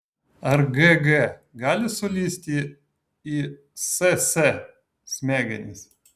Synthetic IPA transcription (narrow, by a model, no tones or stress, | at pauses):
ɐɾɡɛɡɛɡɑːlʲɪsʊlʲisʲt̪ʲi | i | sɛsɛ | sʲmʲæːɡʲɛnʲɪ̰sʲ